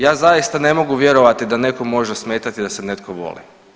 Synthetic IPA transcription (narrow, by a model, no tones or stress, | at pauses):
jaːzajist̪ane̞mo̞ɡuʋjeɾo̞ʋat̪id̪ane̞ko̞mo̞ʒesme̞ːt̪at̪id̪asene̞t̪koʋo̞̰lḭ